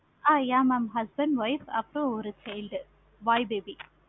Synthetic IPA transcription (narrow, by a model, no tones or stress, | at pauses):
aːjaːmɐmɦɐsbɐɳɖʋɐɪfɐ̰pːɯɾõɔɾɯt͡ʃɛɪlɖ | ʋaːjbeːbi